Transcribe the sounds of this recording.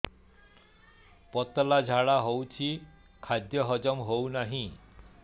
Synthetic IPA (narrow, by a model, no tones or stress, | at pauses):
pɔt̪ɔlad͡ʒʱaɭaɦowt͡ʃʰi | kʰad̪jɔɦɔd͡ʒɔmɦownaɦĩ